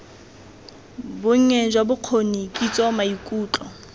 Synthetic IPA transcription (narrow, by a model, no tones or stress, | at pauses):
bʊŋ̩ɛd͡ʒwabʊq͡χʰonikʼit͡sʼɔmaikʼuːt͡ɬʼɔ